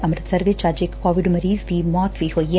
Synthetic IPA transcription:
ʔɐmɾət̪sɐɾʋeːt͡ʃaːɾd͡ʒekːɔːʋɪɖmɐɾiːzd̪imɔːt̪ʰʋiɦoːiɛ

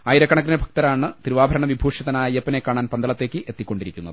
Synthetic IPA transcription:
aːjiɾɐkːɐɳɐk̬ːɾinebʱɐk̚t̪ɐɾaːɳɨt̪iɾuʋaːbʱɐɾɐɳɐʋibʱuːʂjɐðɐnaːjɐiepːɐnekːaːɳaːnpɐnd̪ɐɭɐt̪ːe̞ːkːɨʔe̞t̪ːikʲːo̞ɳɖiɾikʲːunːɐðɨ

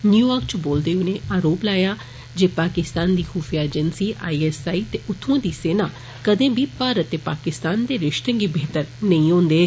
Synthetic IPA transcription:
njuːjaːɾk̚t͡ʃboːld̪eːʊnẽːaːɾoːplaːjaː | d͡ʒeːpaːkɪst̪aːnd̪iːxuːfʰijaːed͡ʒənsiːʔaːiːɛːsaːiːt̪eːʔʊt̪ʰːõːd̪iːseːnaː | kəd̪ẽːbʱiːpaːɾət̪ːeːpaːkɪst̪aːnd̪eːɾɪʃt̪ə̃ŋɡiːbeːt̪əɾnəĩːɦõːnd̪eː

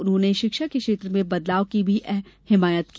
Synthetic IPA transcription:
ʊnɦõːneʃɪkʃakekʃeːt̪ɾəmẽbɐd̪laːokibʱiʔɛɦhɪmaːjət̪ki

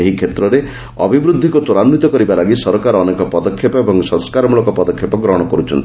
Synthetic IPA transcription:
eɦikʰet̪ɾɔɾe | ɔ̰bʱibɾud̪ʱːikut̪uɾanːit̪ɔkɔɾibalaɡisɔɾɔkaɾɔːnekɔpɔd̪ɔkʰːepɔebɔŋsɔ̃skaɾɔmulɔkɔpɔd̪ɔkʰːepɔɡɾɔɽ̃ɔkɔɾut͡ʃʰɔnt̪i

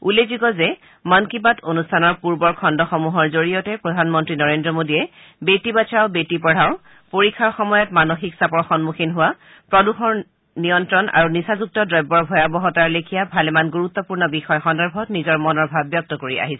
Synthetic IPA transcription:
ulezuɡɔzɛ | mankibatonustʰanɔɹpuɹbɔɹkʰɔndɔxɔmuɦɔɹzoɹijɔtɛpɹɔdʱanmɔntɹinɔɹendɹɔmodiɛ | betibat͡ʃaʊbetipɔɹ̤aʊ | poɹikʰːaɹxɔmɔjɔtmanoxiksapɔɹxɔnmuxʰinɦʊwa | pɹɔduxɔɹ | nijɔntɹɔnʔa̰ɹunisazuk̚tɔdɹɔjbːɔɹbʱɔjabɔɦɔtaɹlekʰijabʱalɛmanɡuɹut̪ːɔpuɹnɔbixɔjxɔndɔɹbʱɔtnizɔɹmɔnɔɹbʱabjɔk̚tɔkoɹiʔa̰ɦisɛ

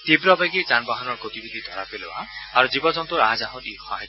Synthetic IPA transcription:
t̪ibɾɔbajɡed͡ʒanbaɦɔnɔɾɡot̪ibid̪ʱid̪ʱɔɾapeleba̰ːɾud͡ʒibɔd͡ʒɔnt̪ɔɾad͡ʒaɦɔ̃ʈihɔɦa

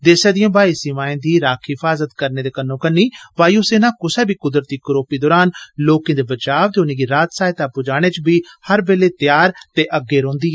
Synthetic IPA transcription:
d̪eːsɛːd̪ijãːbaːiːsimãːẽːd̪iːɾaːkʰɦɪfʰaːzət̪kəɾneːd̪eːkənːõːkənːiːʋaːiuːseːnaːkʊsɛːbiːkʊd̪ɾət̪iːkəɾoːpiːd̪ɔːɾaːnloːkẽːd̪eːbət͡ʃaːʋt̪eʊniːɡiːɾaːt̪saːɪt̪aːpʊd͡ʒaːɽ̃eːt͡ʃbiːhəɾbeːleːt̪jaːɾt̪eːʔəɡːeːɾõːnd̪iːɛː

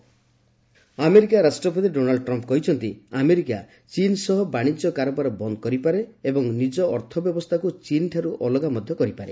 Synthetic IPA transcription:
ameɾikaɾasʈɾɔp̬ɔt̪iɖonalɖɔʈɾɔmp̚kɔɦit͡ʃʰɔnt̪iameɾika̰ | t͡ʃinsɔɦɔbaɽ̃id͡ʒɔkaɾɔbaɾɔbɔnd̪ɔkɔɾipaɾeːbɔŋnid͡ʒɔɔɾt̪ʰɔbjɔbɔst̪ʰakut͡ʃinʈ̪ʰaɾuʔɔlɔɡamɔd̪ʱjɔkɔɾipaɾe

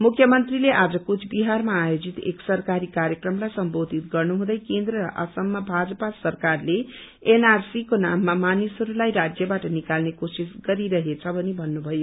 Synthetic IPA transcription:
mukʰjʌmʌnt̪rileʔad͡zʌkut͡sʰbiɦarmaːjod͡zit̪ḛksʌrkaɾikaɾjʌkrʌmlajsʌmbod̪ʱit̪ɡʌrnuɦũd̪ʌjkend̪ɾʌɾʌ̰ʔʌsʌmːabʱad͡zʌpasʌrkarle | enarsikonamːamanisʌɾulajɾad͡zjʌbaʈʌnikalnekosisɡʌɾiɾʌɦet͡sʰʌbʱʌnibʱʌnːubʱʌjo

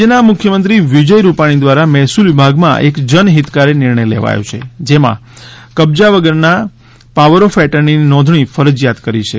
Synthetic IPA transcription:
ənamʊkʰjəmənt̪ɾiʋid͡ʒəjɾupaɽ̃id̪ʋaɾamɛɦsulʋɪbʱaɡmã̰ʔekd͡ʒənɦit̪kaɾenɪɾɳəjlḛʋa̰jõ̰t͡ʃʰḛd͡ʒemã̰kəbd͡ʒaʋəɡəɾna | paʋəɾofɛʈəɾnininɔd̪ʱɳ̃ifəɾəd͡ʒjat̪kəɾit͡ʃʰe

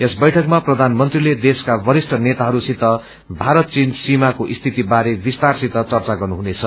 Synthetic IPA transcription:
esbʌjʈʰʌkmaprʌd̪ʱanmʌnt̪riled̪eskabʌɾisʈʰʌnet̪aɦʌɾusit̪ʌ | bʱaɾʌt̪̚t͡sinsimakoʔist̪ʰit̪ibaɾebist̪arsit̪ʌt͡sʌrt͡saɡʌrnuɦunet͡sʰʌ

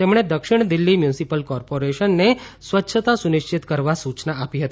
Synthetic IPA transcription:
t̪emɽ̃ed̪əkʃɪɽ̃d̪ɪlːimjunsipəlkɔːɾpoɾeʃənːesʋətːʃʰət̪asʊnɪʃt͡ʃɪt̪kəɾʋasut͡ʃnaapiɦət̪i

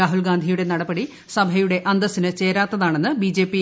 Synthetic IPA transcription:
aːɦulɡaːnd̪ʱijuɽe̞nɐɽɐbɐɽi | sɐbʱɐjuɽe̞ʔɐnd̪ɐsinɨt͡ɕe̞ːɾaːt̪ːɐðaːɳe̞nːɨbid͡ʑe̞ːpːi

